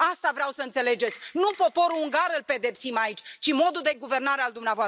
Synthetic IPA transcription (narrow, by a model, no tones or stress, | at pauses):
ast̪avɾeawsəɨnt̪se̞le̞d͡ʒe̞t̪sʲnupo̞po̞ɾuuŋɡaɾɨlpe̞d̪e̞psimait͡ʃʲt͡ʃimo̞d̪uld̪e̞ɡuve̞rnaɾe̞ald̪umnavoa